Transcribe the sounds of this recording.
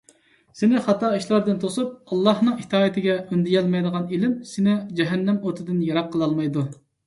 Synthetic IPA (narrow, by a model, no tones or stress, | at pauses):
sɪnɪχɑt̪ɑiʃlˠɑɾd̪ɨnt̪ʰosup̚ɑlˠːɑhnɨŋit̪ʰɑːjit̪ʰɪɡʲɛynd̪ɪjɛlˠmɛjd̪əʁɑnilɪmsɪnɪd͡ʒɛɦɛnːɛmot̪ʰɨd̪ɨnjɑɾɑqʰːəlˠɑlˠmɑjd̪u